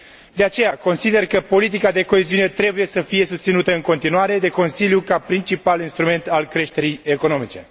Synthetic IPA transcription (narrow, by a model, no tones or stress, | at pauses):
d̪e̞at͡ʃe̞jako̞nsid̪e̞rkəpo̞lit̪ikad̪e̞ko̞eziune̞t̪ɾe̞buje̞səfije̞sust̪sinut̪əɨŋko̞nt̪inuaɾe̞d̪e̞ko̞nsiljukapɾint͡ʃipalinst̪ɾume̞nt̪alkɾe̞ʃt̪e̞ɾije̞ko̞no̞mit͡ʃe̞